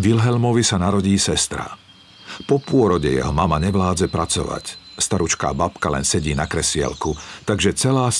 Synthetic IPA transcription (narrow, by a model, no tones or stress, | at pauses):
ʋilɦɛlmɔʋisanaɾɔɟiːsɛst̪ɾa̰ | pɔpʊɔɾɔɟɛ̰jɛ̰ɦɔmamaɲɛʋlaːd͡zɛpɾat͡sɔ̰ʋa̰cst̪aɾut͡ʃka̰ːbapkalɛ̰nsɛɟiːnakɾɛsɪa̰lkut̪aɡʒɛt͡sɛlaːs